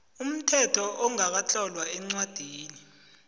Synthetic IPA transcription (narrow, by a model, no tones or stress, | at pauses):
um̩tʰɛtʰɔʔɔŋak̬at͡ɬʰɔlwaɛŋ͡ǀwad̥ʱiːni